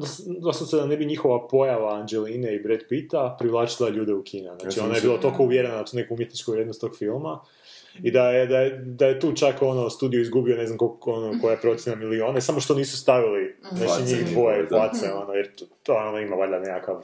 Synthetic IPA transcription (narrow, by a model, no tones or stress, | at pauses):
d̪osd̪ossed̪anebiɲixo̞ʋapo̞jaʋaːnd͡ʒeliːneibɾed̪pit̪apɾiʋlˠaːt͡ʃilˠaʎuːd̪e̞ukʰiːneznaːt͡ʃio̞najebiːlˠot̪oko̞uʋjeɾenad̪at̪uːne̞kuumjet̪nit͡ʃkuʋɾjed̪nost̪o̞ɡfilˠma | id̪ajed̪ajed̪ajet̪uːt͡ʃako̞no̞st̪uːd̪ijuizɡubioneznamkoonoko̞japɾo̞t̪sjenamilio̞ːnesamo̞ʃt̪o̞niːsu̥st̪aʋiliznat͡ʃiɲixd̪ʋojeplat̪seonojeɾt̪oonoimaʋaʎanekakaʋ